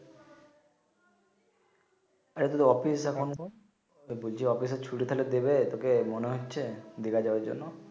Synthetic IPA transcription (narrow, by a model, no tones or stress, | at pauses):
aɾet̪ut̪uɔpisɛkʰɔn | bolt͡ʃʰiɔpis̬et͡ʃʰuɽit̪ʰaled̪ebet̪okemoneɦot͡ʃʰed̪iɡad͡ʒabad͡ʒɔ̰nɔ